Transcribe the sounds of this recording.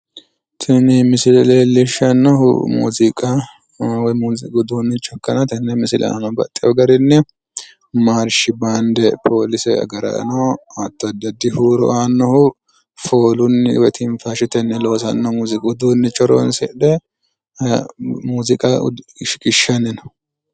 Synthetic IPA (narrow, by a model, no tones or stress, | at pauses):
t̪ʰɛnɪmɪsɪlɛleːlːɪʃɐnːɔhʊ̰mṵːzɪkʼɐ | wmuːzɪɡʊd̪uːnːɪt͡ʃʼɔkːɐnɐt̪ɐnːɛmɪsɪlʔɛ̰a̰ːnɔbɐ̰t̪ʼːɪjɔɡɐɾɪnːɛ | maːɾʃɪbaːnd̪ɛpʰo̞ːlɪsɛɐ̰ɡɐɾɐ̰nɔat̪ːɔɐd̪ːɐd̪ːɪhuːɾɔ̰ʔaːnːɔhʊ | fo̞ːlʊnːwɛt̪ʰɪɱfaʃɪt̪ɛnːɛlo̞ːsɐnːɔmuːzɪkʼʊd̪uːnːɪt͡ʃʼɔɾɔ̰nsɛʔd̪ɛ | muːzɪkʼɐʃɪ̥kʼɪʃːɐnːɪnɔ̥